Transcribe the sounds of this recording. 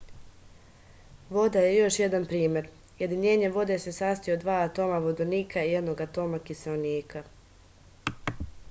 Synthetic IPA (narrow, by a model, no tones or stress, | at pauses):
ʋo̞d̪aje̞jo̞ʃje̞d̪anpɾiːmʲje̞ɾ | je̞d̪iɲe̞ːɲe̞ʋo̞d̪e̞sesaːst̪iod̪ʋaːt̪o̞ːmaʋod̪oniːkaije̞d̪no̞ɡat̪o̞ːmakiseoniːkʰa